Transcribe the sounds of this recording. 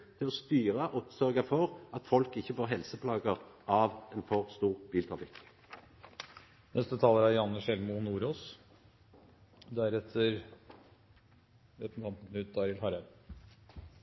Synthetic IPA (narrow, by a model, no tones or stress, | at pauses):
t̪ʰɪlɔst̪yːʁəʔɔp̪sœʁɡɑfɔʁɑt̪fɔlkɪçːəfoːʁɦɛlsəpʰlɑːɡəʁʔɑʋɛnfɔʁst̪uːʁbiːlt̪ʁɑfɪk | nɛst̪ət̪ʰɑːləɾæɾjɑnːəʃɛlmunuːɾoːs | d̪æɾɛt̪ʰːəɾ | ɛt̪n̩t̪kʰɑmt̪n̩ʉt̪̚d̪ɑːɾɪlhɑɾæd̪